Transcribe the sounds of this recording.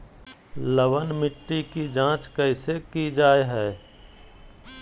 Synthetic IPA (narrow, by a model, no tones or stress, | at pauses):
ləʋənmɪʈːikid͡ʒãːt͡ʃkɐɪsekid͡ʒaːeɦɛː